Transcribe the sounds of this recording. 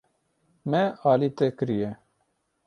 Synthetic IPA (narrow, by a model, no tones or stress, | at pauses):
mɛɑːlit̪ɛkɨɾijɛ